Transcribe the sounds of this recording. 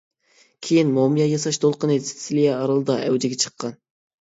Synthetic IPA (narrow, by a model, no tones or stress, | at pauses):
kʲʰejinmomɨjɑjɑsɑʃd̪olˠqənɨsɪ̥sɪlijɛɑɾɑlˠɨd̪ɑʔæwd͡ʒɪɡʲɛt͡ʃʰə̥qʰːɑn